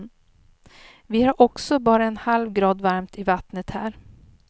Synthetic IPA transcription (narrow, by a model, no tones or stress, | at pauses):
vɪhaɾʔɔksɔbɑːɾaɛnhalvɡɾɑːd̪vaɾmt̪ʰɪvat̪nət̪hæːɾ